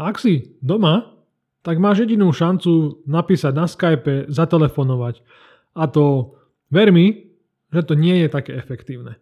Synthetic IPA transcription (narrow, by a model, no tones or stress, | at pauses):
aksid̪ɔma | t̪aɡmaːʒjɛɟinuːʃant͡sunapiːsaɟnaskajpɛzat̪ɛlɛfɔnɔʋac | at̪ɔ | ʋɛɾmi | ʒɛt̪ɔɲɪɛjɛt̪akɛ̰ːɛfɛkt̪iːʊnɛ